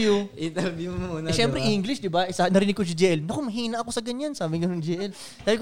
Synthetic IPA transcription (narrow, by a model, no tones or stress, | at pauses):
ʊʔɪt̪ɐɾbimmuːnʃɛmpɾɛʔiŋɡlɪʃd̪ɪbasanɐɾɪːnɪɡkːos̬ɐd͡ʒɛːʔɛlnɐkomɐɦiːnɐʔɐko̞sɐɡɐɲjansaːbɪŋɡɐnond͡ʒɛːʔɛl | d̪aːɪlk